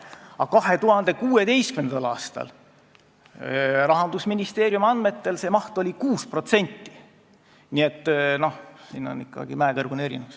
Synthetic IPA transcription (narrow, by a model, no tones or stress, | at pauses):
ɑkɑɦe̞t̪uhɑnd̪̥e̞kuːe̞t̪e̞jskymnend̪ɑlɑːst̪ɑ̰l | rɑɦɑnd̪̥usminist̪e̞ːɾjumɑnd̪me̞t̪ːe̞lse̞mɑht̪olʲikuːspro̞t̪se̞nʲt̪ːi̥ | nie̞t̪ˑːno̞hsiːno̞̰nikːˑɑ̰ɡ̥imæːkɤrɡ̥une̞ɾḭnes